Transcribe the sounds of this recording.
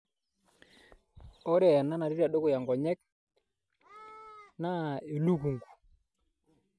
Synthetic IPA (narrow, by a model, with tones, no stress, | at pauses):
ɔ˦ɾɛ˨na˦na˨ɾi˦ɾa˨ɗo˦kʊ˨ja˨ŋɡɔ˨ɲɛ˦k̚ | na˦e˨lu˦ku˨ŋɡu̥˨